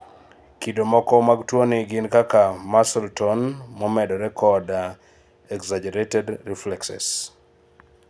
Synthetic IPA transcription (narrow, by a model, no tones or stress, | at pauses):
kidomɔkɔmaɡtwonɪɡɪnkakamasɛltɔnmɔmɛdɔɾɛkʰɔda | ɛkzad͡ʒɛɾetɛdɾiflɛksɛ̰s